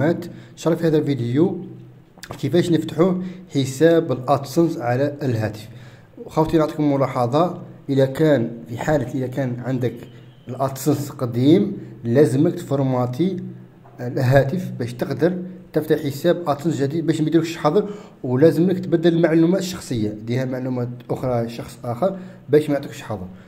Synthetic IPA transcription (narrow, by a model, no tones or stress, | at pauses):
æt̪ʃɾˤɑfihæd̪ælvid̪əju | kəfæʃnəft̪ħuħəsæbəlʔɑt̪sənsʕalæəlɦæt̪ə̥f | xæft̪ˤinʕt̪ˤi̥kʊmmːʊlɑħɑd̪ˤɑʔəlækænfiħalət̪ʔəlækænʕənd̪ək | əlʔɑt̪sənsqd̪imlæzəməkt̪foɾˤmɑt̪ʰi | ɦæt̪əfbæʃt̪əqd̪əɾˤt̪əft̪aħəsæbʔɑt̪sənsʒəd̪id̪̚bæʃmd̪ɾəkʃħɑd̪ˤəɾ | wlæzəmləkt̪bæd̪ːələlmaʕlumæt̪əʃːɑ̥xsˤəjːad̪ihæmaʕlumæt̪ʔʊxɾˤɑʃɑxsˤʔæxəɾˤbæʃmʕt̪ˤikʃħɑd̪ˤəɾˤ